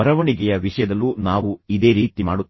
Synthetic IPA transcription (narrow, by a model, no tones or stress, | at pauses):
ɐɾɐʋɐɳiɡɛjɐʋiʂɐjɐd̪ɐlːunaːʋuid̪e̞ːɾiːt̪imaːɽu